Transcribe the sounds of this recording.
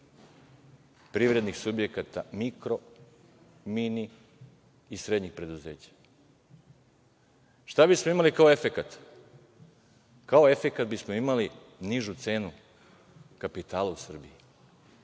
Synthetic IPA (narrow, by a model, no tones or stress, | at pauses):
pɾiʋɾe̞d̪nixsubje̞kat̪amikɾo̞ | mini | isɾe̞d̪ɲixpɾe̞d̪uze̞ːt͡ɕḁ | ʃt̪abismo̞imalikao̞e̞fekat̪ | kao̞e̞fekat̪bismo̞imali | niʒut̪se̞ːnu | kapit̪aːlausr̩biji